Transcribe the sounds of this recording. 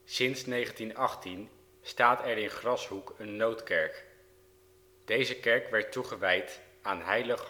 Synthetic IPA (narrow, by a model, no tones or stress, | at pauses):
sɪnsnejχəntinɑχtin | staːtɛɹɪnχrɑsɦukənːowtkɛɹk | d̥ejzəkɛɹkʋɛɹtuχəʋɛjt | aːnɦɛjləχ